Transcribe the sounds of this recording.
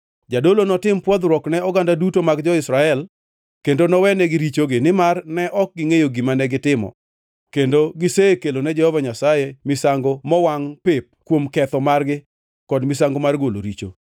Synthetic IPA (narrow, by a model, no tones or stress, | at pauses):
d͡ʒadolonɔtɪmpwɔd̪ɾwɔknɛɔɡandadutomaɡd͡ʒɔɪsɾaɛl | kendonɔwɛnɛɡɪɾit͡ʃoɡɪnɪmarnɛʔɔk̚ɡɪŋejoɡimanɛɡɪtɪmɔ̰ | kendoɡɪsekelonɛd͡ʒɛhɔvaɲasajemɪsaŋɡomɔwaŋpɪp̚kwomkɛt̪ɔmarɡɪ | kɔdmɪs̬aŋɡomarɡolo̰ɾit͡ʃo̰